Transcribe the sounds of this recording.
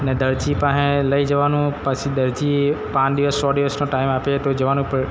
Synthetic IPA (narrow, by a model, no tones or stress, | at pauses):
ned̪əɾd͡ʒipə̃ɦẽləid͡ʒəʋanũpət͡ʃʰid̪əɾd͡ʒipãt͡ʃd̪iʋəsːɔɖiʋəsnõʈaimapet̪od͡ʒəʋanũpəɾ